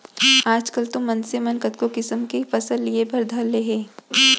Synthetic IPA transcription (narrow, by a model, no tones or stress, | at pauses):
aːd͡ʒkəlt̪ʊ̃mːɐnsemɐnkɐt̪kokɪsəmkefɐsəlliebʱɐɾd̪ʱalːeɦẽː